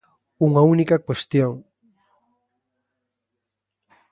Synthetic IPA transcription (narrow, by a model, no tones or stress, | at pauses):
uŋaunikakwest̪joŋ